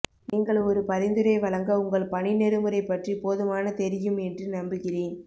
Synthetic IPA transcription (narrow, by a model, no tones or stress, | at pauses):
niːŋɡɐɭɔɾɯpɐɾɪnd̪ɯɾɐɪʋɐɭɐŋɡɐʊŋɡɐɭpɐɳɪnɛɾɯmɯɾɐɪpːɐʈripoːðɯmaːnɐt̪ɛɾɪjɯmɛndrɯnɐmbɯɣɪreːn